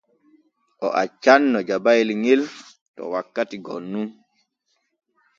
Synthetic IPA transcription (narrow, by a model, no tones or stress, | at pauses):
ʔɔʔat͡ʃanːɔd͡ʒabajlŋel | tɔ̰wakːatiɡɔnːum